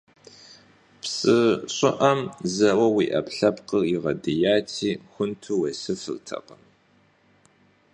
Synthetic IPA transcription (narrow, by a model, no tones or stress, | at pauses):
psʼɨɕʼɪʔɐmzɐwɐwiːʔɐ̰pɬɐpqərɪʁɐdɨjaːtʰiːxʷʊntʰuwesɨfɨ̰ltʰɐ̰qəm